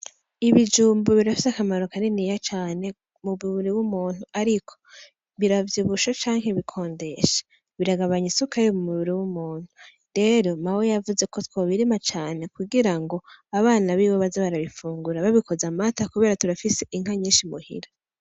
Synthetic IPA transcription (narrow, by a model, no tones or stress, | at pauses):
iβid͡ʒuːmboβiɾafi̥sakamaɾo̞kanenijat͡ʃaːne̞ | muβiβiɾiwumuːn̥uaɾikʰo̥ | βiɾavjiβuʃat͡ʃaːŋheβikʰo̞ːnde̞ʃḁ | βiɾaɡaβaɲisukajomumuβiɾiwumuːn̥hu | ɾe̞ɾo̞mawejavuze̞ko̞twoβiɾimat͡ʃaːne̞kuɡiɾaŋɡo̞aβaːnaβiːβoβazeβaɾaβifuːŋɡuɾaβaβikʰo̞zamatakuβe̞ːɾatuɾafise̞ʔiŋ̥haɲiːnʃimuhḭɾa